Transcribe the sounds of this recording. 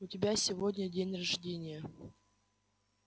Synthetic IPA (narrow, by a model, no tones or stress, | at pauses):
ʊtʲɪbʲasʲɪvodʲnʲədʲenʲrɐʐdʲenʲɪjə